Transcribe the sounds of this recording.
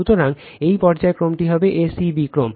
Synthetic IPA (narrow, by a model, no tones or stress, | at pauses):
ut̪oɾaŋ | ejpɔɾd͡ʑaekɾomʈiɦɔbeʔesibikɾom